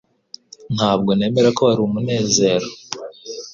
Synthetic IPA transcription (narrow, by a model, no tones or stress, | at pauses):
n̥haːbɡo̞ne̞ːme̞ɾako̞βaɾiumune̞ːze̞ɾo